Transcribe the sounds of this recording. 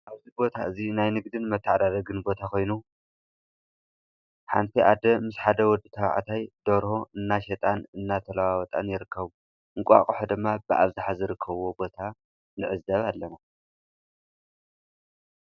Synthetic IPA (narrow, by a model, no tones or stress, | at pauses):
ʔaβzibo̞t̪ʰaʔɨzinajnɨɡd̪ɨnmɐt̪ʰːaʕd̪ad̪ɐɡɨnbo̞t̪ʰako̞jnu | ħant̪ʰiʔad̪ɐmɨsħad̪ɐwɔd̪ɨt̪ʰɐβ̰ʕ̰t̪ʰajd̪̥oɾho̞ʔɨnːaʃɛt̪ʼanɨnːat̪ʰɐlawawɔt̪ʼa̰njɪɾɨkːɐβu | ʔɨŋkʷʼa̰kʼuħod̪ɨmːabɨʔa̰βzɨħazɨɾɨkʰːɐβo̞bo̞t̪ʰa | nɨʕɨzɐβalːɐna